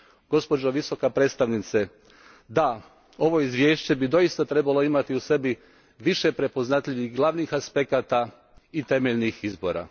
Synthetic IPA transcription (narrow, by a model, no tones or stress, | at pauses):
ɡ̥o̞spo̞d͡ʒoʋiso̞kapɾet̪st̪aʋnit̪se | d̪a | o̞ʋo̞izʋje̞ːʃt͡ɕe̞bid̪o̞ist̪at̪ɾe̞balo̞imat̪iuse̞bi | ʋiʃe̞pɾe̞po̞znat̪ʎiʋixɡlˠaʋnixaspe̞kat̪a | it̪e̞meʎnixizbo̞ɾa̰